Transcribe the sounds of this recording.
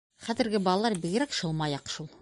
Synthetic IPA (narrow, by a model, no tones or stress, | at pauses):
χæðɘ̆ɾɡɘbɒlˠɑlˠɑɾbiɡɘ̆ɾækʃɤ̆lˠmɑjɑqʃulˠ